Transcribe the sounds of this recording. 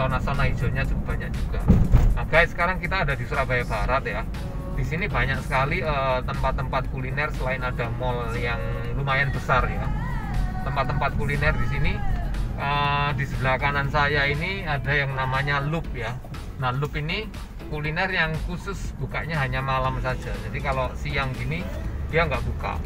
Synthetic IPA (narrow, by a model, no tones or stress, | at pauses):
nasanai̥d͡ʒoɲad͡ʒuɡab̥aɲak̚d͡ʒuɡ̥aaɡ̥aɪt̪sə̥kaɾaŋkit̪aːdadisuɾabajab̥aɾat̪̚ja | d̥isinibaɲak̚sə̥kaliət̪əmpat̪ːəmpat̪̚kulinɛrsəlaɪnadamɔl | jaŋ | rumajanbəsarja | t̪əmpat̪ːəmpat̪̚kulinɛrdis̬iniʔədisəbəlakanansajainiadajaŋnamaɲalʊp̚ja | nalʊpini | kulinɛrjaŋkusʊsb̥ukaʔɲaɦaɲamalamsad͡ʒad͡ʒadikalosiaŋɡinid̥iaŋɡaʔbuka̰